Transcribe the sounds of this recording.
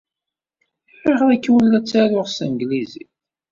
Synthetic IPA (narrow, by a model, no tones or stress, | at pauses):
fiʁðækːwəlːæt͡sːaɾʊʁsənɡlizḭ